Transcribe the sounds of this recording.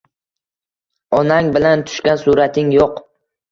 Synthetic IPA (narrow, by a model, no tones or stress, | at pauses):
ɒnaŋbɪlant̪ʰʊ̥ʃkʲansuɾat̪ʰɪŋjoq